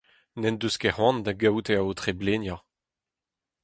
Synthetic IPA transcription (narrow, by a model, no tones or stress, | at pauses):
nɛnd̪øskɛʁwɑ̃nd̪aɡawt̪eaot̪χeblenjɑ̃